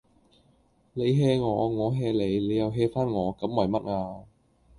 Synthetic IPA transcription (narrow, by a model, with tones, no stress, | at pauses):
le˨˧˦jɦɛː˧ŋɔː˨˥ŋɔː˨˥ɦɛː˧le˨˦jle˨˦ja˨˧wɦɛː˧faː˥nŋɔː˨˧kɐ˨˥mmɔː˨˩jmɐ˦˥t̚ʔaː˧